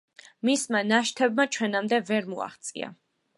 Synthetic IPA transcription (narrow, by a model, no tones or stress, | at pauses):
mismanaʃt̪ʰɛbmat͡ʃʰwɛnamd̪ɛvɛɾmua̰χt̪sʼḭa̰